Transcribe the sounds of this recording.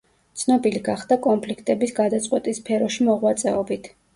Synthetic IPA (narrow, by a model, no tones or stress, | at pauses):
t̪sʰnɔbiliɡaχd̪akʼɔmpʰlikʰt̪ʼɛbisɡad̪at̪sʼqʼwɛt̪ʼispʰɛɾɔʃimɔʁwat̪sʼɛɔbit̪ʰ